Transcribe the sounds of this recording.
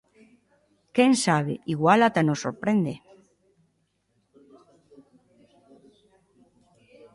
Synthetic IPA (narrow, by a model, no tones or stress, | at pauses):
keŋsaβ̞ḛʔiɣwalat̪anosoɾpɾend̪e